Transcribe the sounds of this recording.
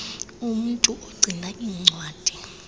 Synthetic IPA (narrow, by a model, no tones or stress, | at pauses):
umuntʼuʔoɡ͡ǀʱinaʔiːŋ͡ǀwaːd̥ʱi